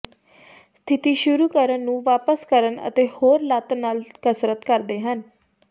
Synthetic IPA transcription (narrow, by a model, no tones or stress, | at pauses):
st̪ʰɪt̪iːʃʊɾuːkəɾənːũːʋaːpəskəɾənə̰t̪eːhoːɾlat̪naːlkəsɾət̪kəɾd̪eːɦən